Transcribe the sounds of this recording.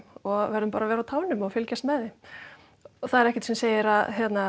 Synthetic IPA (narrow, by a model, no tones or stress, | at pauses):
ɔɣvɛɾðʏmpaːɾavɛːɾawt̪ʰaːwnʏmɔɣfɪlcast̪mɛːðɪ | ɔθaðɛɾɛhcɛt̪sɛmseːjɪɾaðçjɛt̪na